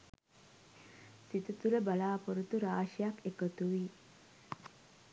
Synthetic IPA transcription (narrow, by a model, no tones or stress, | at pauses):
sit̪ut̪uɾəbalaːpoɾut̪uɾaːʃijakekət̪uʋi